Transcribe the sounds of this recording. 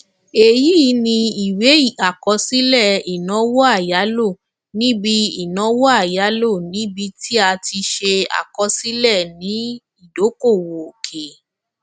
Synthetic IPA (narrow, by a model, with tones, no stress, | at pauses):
e˨ji˦nĩ˧i˨we˨˦i˦˨a˨kɔ˧si˦lɛ˦˨i˨nɔ̃˨˦wɔ˦a˦˨ja˨˦lo˦˨ | nĩ˦bi˧i˨nɔ̃˨˦wɔ˦a˦˨ja˨˦lo˦˨nĩ˨˦bi˧ti˦a˧ti˧ʃe˧a̰˨kɔ˧si˦lɛ˦˨nĩ˨˦ | i˦˨do˨˦ko˦˨wo˨kʰe˨